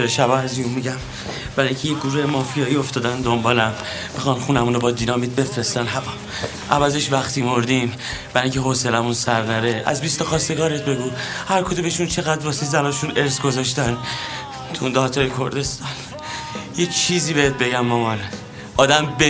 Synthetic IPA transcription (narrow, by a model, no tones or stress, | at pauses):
eɾʃæbɒːæziummiɟæm | b̥æɾɒjŋcʰejeɡuɾemɒːfijɒːio̞ft̪ɒːd̪ænd̪ombɒːlæmː | ixɒːnxuːnæmunobɒːd̪iːnɒːmid̪̚be̞fɾest̪ænɦævɒ | ʔæ̰væzeʃvæxt̪ʰiːmo̞ɾd̪im | b̥æɾɒŋcʲʰeɦoselæmunsæɾnæɾeæ̰zbist̪ɒxɒːst̪e̞ɡɒːɾet̪̚ʰbe̞ɡuhæɾkʰod̪umeʃunt͡ʃʰe̞ɣæd̪ɾvɒsezænɒːʃuneɾsɡo̞zɒːʃ̬t̪æn | t̪ʰund̪ɒt̪ʰɒjekʰo̞ɾd̪e̞st̪ɒn | jet͡ʃʰiːziːbehet̪̚be̞ɟæmːɒmɒn | ʔɒːd̪æmbe